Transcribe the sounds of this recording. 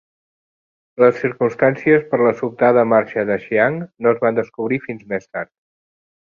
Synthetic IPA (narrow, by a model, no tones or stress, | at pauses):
ləsːiɾkumst̪ansiəspəɾləsup̚t̪aðəmaɾʃəðəʃiaŋnoəzβand̪əskuβɾifinzmest̪aɾt̪̚